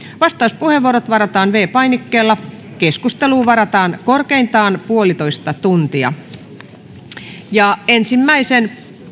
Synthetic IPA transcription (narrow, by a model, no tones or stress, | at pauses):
ʋɑst̪ɑuspuheʋːuoɾot̪ʋɑɾɑt̪ɑːnʋeːpɑinikːeːlːɑ | keskust̪eluːʋɑɾɑt̪ɑːnkorkeint̪ɑːnpuolit̪oist̪ɑt̪unt̪iɑ̰ | jɑensimːæisen